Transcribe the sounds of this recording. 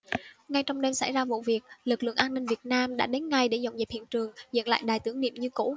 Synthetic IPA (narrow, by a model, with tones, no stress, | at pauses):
ŋa˧jt͡ɕɔ˧wŋ͡mɗe˧msa˧˩jzaː˧vṵ˧˨vi˨˩ək̚lɨ˨˩k̚lɨ̰˧˨əŋʔaː˧nːï˧ŋ̟vi˨˩ət̚naː˧mɗa̰ː˧˥ɗe˨˦nŋa˧jɗe˧˩za˨˧˩wŋ͡mzə˨˩p̚hḭ˧˨ənt͡ɕɨ˨˩əŋzə̰˧˨nla̰ː˧˨jɗaː˨˩jt̪ɨ˨˩əŋnḭ˧˨əmɲɨ˧kṵ˧˥